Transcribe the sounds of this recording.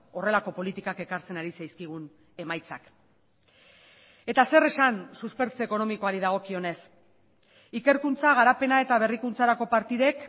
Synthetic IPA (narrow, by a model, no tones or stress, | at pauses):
o̞re̞lako̞po̞lit̪ikake̞kaɾt͡se̞naɾisajskiɣ̞un | e̞majt͡sak | e̞t̪ase̞re̞sansuspe̞ɾt͡seeko̞no̞miko̞aɾiðaɣ̞o̞kio̞ne̞s | ike̞ɾkunt͡saɣ̞aɾape̞nae̞t̪aβ̞e̞rikunt͡saɾako̞paɾt̪iðe̞k